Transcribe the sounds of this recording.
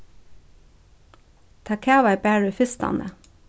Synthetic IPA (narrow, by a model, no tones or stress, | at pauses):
t̪ʰɑkʰæːʋɑɪbæːɹʉfɪst̪ɑ̰nə̰